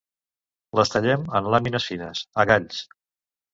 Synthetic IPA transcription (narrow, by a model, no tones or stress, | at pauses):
ləst̪əʎɛmənlaminəsinəsəɣaʎs